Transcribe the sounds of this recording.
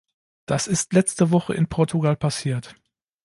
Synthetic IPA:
d̥asɪstlɛt͡stəvɔχə̰ʔɪnpʰɔɐtʰuɡalpʰasiːɐt

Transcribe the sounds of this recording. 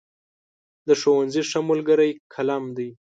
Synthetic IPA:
d̪əʂowanziʂamʊlɡəɾajkʰalamd̪aj

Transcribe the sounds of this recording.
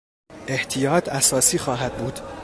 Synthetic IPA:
ʔe̞ht̪ʰijɒːt̪ʰæsɒːsiːxɒːɦæd̪̥̚buːd̪̥

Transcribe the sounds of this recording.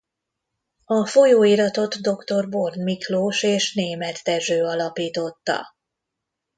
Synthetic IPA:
ɒfo̞joːiɾɒt̪o̞d̪d̪o̞kt̪o̞rbo̞rnmikloːʃeːʃneːmɛt̪ːɛʒøːɒlɒpiːt̪o̞t̪ːɒ̰

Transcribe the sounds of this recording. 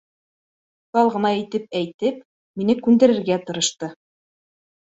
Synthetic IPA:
t̪ɑlˠʁɤ̆nɑit̪ɘp̚æjt̪ɘp | minɘkʉnd̪æ̆ɾɘ̆ɾɡæt̪ɤ̆ɾɤ̆ʃt̪ɤ

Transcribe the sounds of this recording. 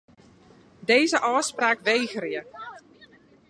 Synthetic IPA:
deːzəʔɔːspraːkʋejɣrjə

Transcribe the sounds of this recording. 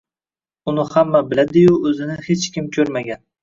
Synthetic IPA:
ʊnɪhamːabɪlad̪ɪjʊɵzɪnɪhet͡ʃkʲɪmkʲʰɵɾmaɡʲan

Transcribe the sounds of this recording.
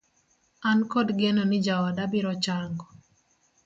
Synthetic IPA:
ankɔdɡɛnɔnɪd͡ʒawadabɪɾɔt͡ʃaŋɡɔ

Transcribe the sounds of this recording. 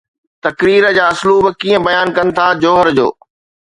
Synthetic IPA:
t̪ɐkɾiːɾəd͡ʑaːɐsluːbkiːə̃bɐjaːnkɐnɪ̆t̪ʰad͡ʑoːɦəɾd͡ʑo̰ː

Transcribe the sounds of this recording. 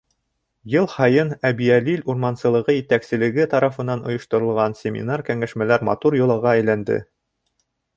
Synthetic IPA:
jɤlˠhɑjɤnæbiæliluɾmɑnsɤ̆lˠɤ̆ʁɤjɘ̆t̪æksɘ̆lɘ̆ɡɘt̪ɑɾɑfɤ̆nːɑnŏjŏʃt̪ŏɾɤ̆lˠʁɑnsʲemʲḭnɑɾkæŋæʃmælæɾmɑ̰t̪uɾjŏlˠɑʁɑæjlænd̪ɘ̰

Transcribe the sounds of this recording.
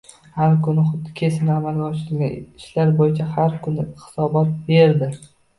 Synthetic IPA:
haɾkʰʊnɪχʊd̪kʲʰe̞sɪnɪamalˠɡʲaɒʃɪɾɪlɡʲanɪʃlaɾbojɪt͡ʃʰahaɾkʰʊnɪhɪ̥sɒbɒt̪̚be̞ɾd̪ɪ

